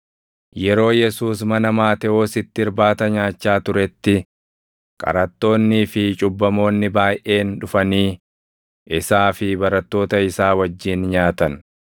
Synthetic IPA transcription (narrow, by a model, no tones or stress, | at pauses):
jɛɾo̞ːjɛsuːs̬mɐnɐmaːt̪ɛoːsɪt̪ːɪɾbaːt̪ɐɲaːt͡ʃːaːt̪ʊɾɛt̪ːɪ | kʼɐ̰ɾɐt̪ːo̞ːnːiːfɪt͡ʃʼʊbːɐmo̞ːnːɪbaːjʔe̞ːnᶑʊfɐniː | ɪsaːfɪbɐɾɐt̪ːo̞ːt̪ɐɪsaːwɐd͡ʒːiːnɲaːt̪ɐn